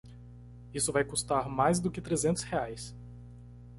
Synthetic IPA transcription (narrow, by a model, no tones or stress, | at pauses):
isʊvajkust̪aɾmajzd̪ʊkɪt̪ɾezẽnt̪ʊ̥sheajs